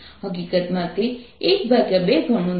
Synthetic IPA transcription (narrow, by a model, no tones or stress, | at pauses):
ɦək̬ikət̪mãt̪eːk̚bʱaɡjabeɡʱəɳ̃ũ